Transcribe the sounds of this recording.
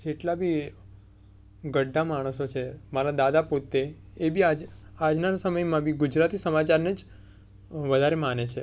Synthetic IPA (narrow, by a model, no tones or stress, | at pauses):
d͡ʒeʈlabʱi | ɡəɖʱːamaɽ̃əsot͡ʃʰemaɾad̪ad̪apot̪ːe | ebʱiad͡ʒad͡ʒnasəməjmãbʱiɡud͡ʒɾat̪isəmat͡ʃaɾned͡ʒ | ʋəd̪ʱaɾemanet͡ʃʰe